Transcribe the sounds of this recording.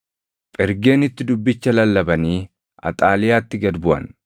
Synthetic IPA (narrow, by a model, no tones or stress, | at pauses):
pʼɪɾɡe̞ːnɪt̪ːɪd̪ʊbːɪt͡ʃːɐlɐlːɐbɐniː | ɐ̰t̪ʼaːlɪjaːt̪ːɪɡɐd̪bʊʔɐ̰n